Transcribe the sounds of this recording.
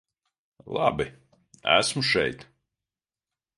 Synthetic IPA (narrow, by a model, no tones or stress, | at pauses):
lˠɑbi | æ̰smuʃɛjt̪